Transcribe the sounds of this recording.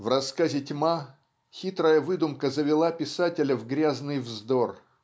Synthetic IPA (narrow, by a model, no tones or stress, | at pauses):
vrɐskazʲɪtʲma | xʲit̪ɾəjəvɨd̪ʊmkəzəvʲɪlˠapʲɪsatʲɪlʲəvɡɾʲaznɨjvzd̪or